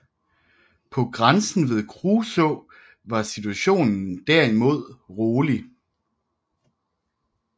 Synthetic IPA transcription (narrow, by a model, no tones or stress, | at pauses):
pʰɒ̽ɡ̥ʁansn̩ʋe̝ð̩ˠkʰʁuːsɔ | ʋɑ̈sit͡sʰuæɕo̝̰ːnn̩d̥æɐ̰imo̝ð̞̰ˠʁoːli